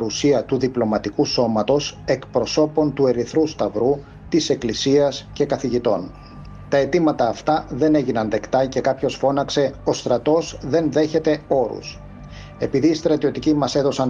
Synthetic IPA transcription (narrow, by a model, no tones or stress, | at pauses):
ɾusiɐt̪uðiplo̞mɐt̪ikuso̞mɐt̪o̞se̞kpɾo̞so̞po̞nt̪ue̞ɾiθɾust̪ɐvɾu | t̪ise̞klisiɐsce̞kɐθiʝit̪o̞n | t̪ɐe̞t̪imɐt̪ɐːft̪ɐðe̞ne̞ʝinɐnðe̞kt̪ɐce̞kɐpço̞sfo̞nɐkse̞o̞st̪ɾɐt̪o̞zðe̞nðe̞çe̞t̪e̞o̞ɾṵs | e̞piðiːst̪ɾɐt̪io̞t̪icimɐse̞ðo̞sɐn